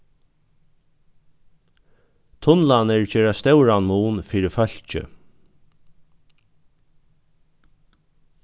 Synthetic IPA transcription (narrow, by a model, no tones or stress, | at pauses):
t̪ʰʊnlanəɹt͡ɕeːɾast̪ɛwɾanmuːnfiːɾɪfœl̥t͡ʃɪ̰